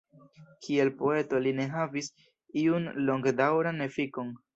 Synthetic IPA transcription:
kʰie̞lpo̞e̞to̞line̞ɦavis | iunlo̞ŋɡdawɾane̞fiko̞n

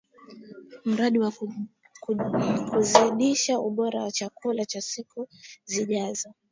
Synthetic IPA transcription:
m̩ɾaɗiwa | kkuziɗiʃauɓɔɾawat͡ʃakʰulat͡ʃasikuziʄazɔ

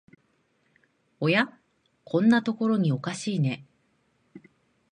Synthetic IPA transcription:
o̞ja | kʰõ̞nːat̪o̞ko̞ɾo̞ɲ̟io̞kaɕiːne̞

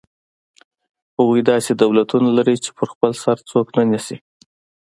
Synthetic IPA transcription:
hawujd̪ɑsed̪awlat̪unalaɾit͡ʃe̥pʰəɾxpəlsaɾt͡soknanisi

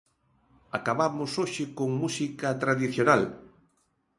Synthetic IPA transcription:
akaβamʊsoʃɪkoŋmusikɐt̪ɾaðiθjonal

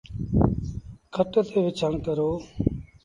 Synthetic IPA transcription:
kʰəʈət̪ʰeːʋɪt͡ʃʰaːnkəɾoː

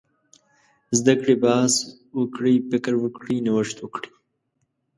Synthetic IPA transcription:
zd̪akɽibɑːs | wəkɽipɪkəɾwəkɽinɪwəʂt̪wəkɽi̥

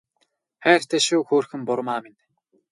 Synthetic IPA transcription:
xæːr̥t̪ʰæːʃuːxoːrxɘ̆mpʊɾmaːmen

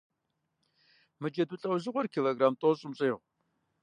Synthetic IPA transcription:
mɨd͡ʒɐdɨɬʼɐwzɨʁʷɔrkʰiloːɡraːmtʼoɕʼɪmɕʼeːʁʷ

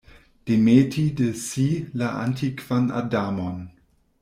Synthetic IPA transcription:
d̥emetʰidesilaʔa̰ntʰikv̥ana̰damon

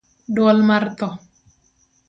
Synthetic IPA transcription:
dwɔlmart̪ɔ

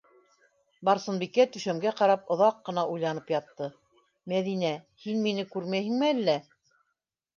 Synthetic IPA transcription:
bɑɾsɤ̆nbikːæt̪ɵ̆ʃæmɡæqɑɾɑpŏðɑqːɤ̆nɑʔujlˠɑnɤpjɑt̪ːɤ | mæðinæ | hinminɘkʉɾmæjhɘ̆ŋmɘælːæ

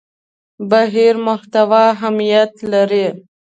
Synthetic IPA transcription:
baɦiɾmʊht̪awɑɦamijat̪laɾi

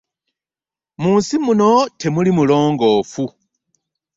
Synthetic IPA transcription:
muːnsimuno̞tʰe̞mulimulo̞ːŋɡo̞ːfu

